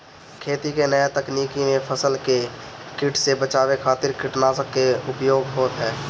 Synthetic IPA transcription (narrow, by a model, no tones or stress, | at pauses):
kʰeːt̪ikenəjet̪əkniːkimepʰəsəlkekɪʈʰsebət͡ʃaːwekʰaːt̪ɪɾkɪʈnasəkkeʊpjoːɡɦoːt̪ɦɛː